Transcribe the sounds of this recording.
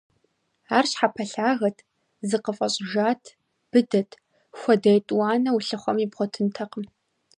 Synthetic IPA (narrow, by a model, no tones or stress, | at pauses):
aːrɕħapʰɐɬaːɣɐtʰ | zɨqəfʼɐɕʼʒaːtʰ | b̥ɨdɐtʰ | xʷɔdɐjtʼwɑːnɐwuɬɨχʷɔmibʁʷɔtʰɨntʰɐqəm